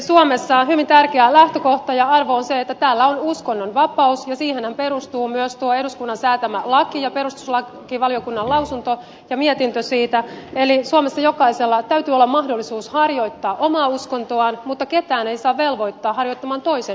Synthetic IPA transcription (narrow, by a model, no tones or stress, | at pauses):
suomesːɑːnɦyʋint̪ærkeælæht̪øko̞ht̪ɑjɑɑrʋoonseet̪ːæt̪æːlːæonuskonːonʋɑpɑusjɑsiːhenhæmpeɾust̪uːmyøst̪uoeduskunːɑnsæːt̪æmælɑkijɑpe̞ɾust̪u̥slɑ | kiʋɑljokunːɑlɑusunt̪o | jɑmiet̪int̪øsiːt̪æelisuomesːɑjokɑiselːɑt̪æyt̪yolːɑmɑhdolːisuːshɑrjo̞it̪ːɑːʔo̞mɑːuskont̪oɑnmut̪ːɑket̪æːneisɑːʋʋe̞lʋo̞it̪ːɑːhɑrjoit̪ːɑmɑːnt̪o̞isen